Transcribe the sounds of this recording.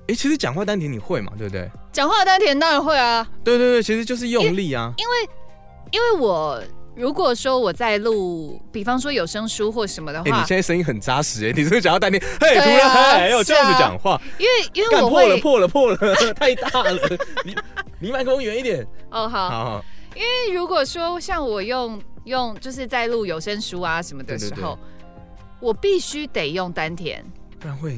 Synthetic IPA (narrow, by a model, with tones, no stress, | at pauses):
e˥˩t͡ɕʰi˧˥ʂɻ̩˧˥t͡ɕjɑ˨ŋxwa˥˩t̪a˥nt̪ʰɛ˧˥ni˨˩xwe˥˩ɪmɐ̰˩t̪we˥˩t̪wḛ˥˩ɪt͡ɕjɑ˨˩ŋxwa˥˩t̪a˥nt̪ʰjɛ˧˥nt̪ɑ˥ŋɻa˧˥nxwe˥˩ɪɐ˩t̪we˥˧t̪we˥˧t̪wt͡ɕʰi˧˥ʂɻ̩˧˥t͡ɕjʂ̬ɻ̩˥˧jʊ˥˧ŋli˥˩ɐ˩i˥nwe˥˩ɪ | i˥nwe˥˩ɪwɔ˨˩˦ɻu˧˥kwɔ˨˩ʂwɔ˥wɔ˨˩t͡sa˥˧ɪlu˥˩pi˨˩fɑ˥ŋʂwɔ˥jo˨˩ʊʂɤ˥ŋʂu˥xwɔ˥˩ʂə˧˥nmə˧d̪ə˧xe˥˩ani˨˥jɛ˥˧na˥˩ʂə˥ni˥ŋxə˨˩nt͡sa˥ʂɻ̩˧˥˩ni˨˩˥t͡ɕŋxt̪nt̪ʰɛ˧n˧e˥˩ɪ˥u˧˥lə˧a˧˥la˨a˨˧˥jɑ˥˨ʊʈ͡ʂə˥˧˥fu˨t͡ɕjɑ̰˨˦ŋxwa˥˩i˥nwe˥˩ɪi˥nwe˥˩a˥˧n˨pʰwɔ˥˨lə˨pʰwɔ˥˩lə˨˩pʰwɔ˥˩lə˩t̪ʰa˥˧ɪt̪a˥˨˩lə˩li˧li˧˥˦ma˨˩nkʊ˥ŋɥɛ˧˥ni˥˩t̪jɛ˨˩˦nʔɔ˥˩xɑ˨˩˦ʊɑ˨˦ɑ˨˩˦i˥nwe˥˩ɪɻu˧˥kwɔ˨˩ʂwɔ˥ɕjɑ˥˩ŋwɔ˨˩jo˥˧ŋjʊ˥˧ŋt͡ɕjo˥˧ʊʂ̬ɻ̩˥˧t͡sa˥˧ɪlu˥˩jo˨ʊʂə˥ŋʂu˦a˨ʂə˧˥nmə˧d̪ə˨ʂɻ̩˧˥xo˥˨ʊ | wɔ˨˩pi˥˩ɕy˦˥t̪e˨˩ɪjʊ˥˩ŋt̪a˦nt̪ʰjɛ̰˦˥na˥˧xwe˥˩ɪ